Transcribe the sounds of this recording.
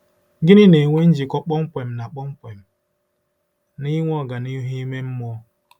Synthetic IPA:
ɡɪ˦nɪ˦ne˨ŋʷe˦n̩˦d͡ʒi˨kɔ˦k͡pɔ˦ŋ͡m̩˦kʷe˨m̩˨na˨k͡pɔ˦ŋ͡m̩˦kʷe˨m̩˨ | ni˦ŋʷɔ˦˨ɡa˨ni˦ɦi˦me˦m̩˦mɔ˦

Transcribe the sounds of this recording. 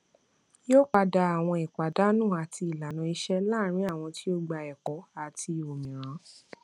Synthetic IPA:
jo˦k͡pa˧da˧a˨w̃ɔ̃˧ɛ˨k͡pa˨da˨˦nũ˦˨a˨ti˧i˨la˨nã˨˦i˧˦ʃɛ˦la˦˨ɾ̃ĩ˨˦a˦˨w̃ɔ̃˧ti˦o˦ɡ͡ba˧ɛ˨kɔ˨˦a˨ti˧o˨mĩ˨ɾ̃ã˨˦

